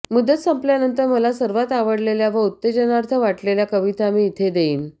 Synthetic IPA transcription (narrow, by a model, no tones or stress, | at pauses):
mud̪ət̪səmpljanənt̪əɾməlasəɾʋat̪aʋəɽleljaʋəut̪ːed͡ʑənaɾt̪ʰəʋaʈleljakəʋit̪amiːt̪ʰed̪eiːn